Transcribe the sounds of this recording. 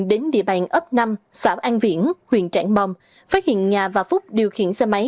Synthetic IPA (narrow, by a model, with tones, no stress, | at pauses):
ɗe˨˦nɗḭ˧˨əɓa˨˩ŋ̟ʔə˦˥p̚na˧msaː˧˦wʔaː˧nvḭ˧˥ənhwḭ˧˨ənt͡ɕa̰ː˧˥˩ŋɓɔ˨˩wŋ͡m | faː˦˥t̚hḭ˧˨ənɲaː˨˩vaː˨˩fʊ˦˥k͡p̚ɗi˨˩əwxḭ˧˨ənsɛ˧ma˨˦j